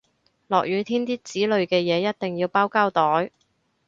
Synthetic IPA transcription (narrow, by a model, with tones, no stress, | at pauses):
lɔː˨k̚jyː˨˧t̪ʰiː˥nt̪iː˥t͡siː˨˥lɵ˨˧ɥkɛː˧jɛː˨˧jɐ˥t̚t̪ɪ˨ŋjiː˧wpaː˥wkaː˥wt̪ɔː˨˥j